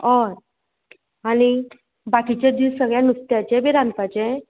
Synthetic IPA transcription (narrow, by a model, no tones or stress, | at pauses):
ɔɾ | aɽ̃i | bakit͡ɕed̪isəɡɭjanust̪jat͡ɕẽbʱiɾanpat͡ɕẽ